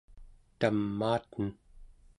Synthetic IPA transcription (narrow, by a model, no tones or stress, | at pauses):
t̪amːaːt̪ən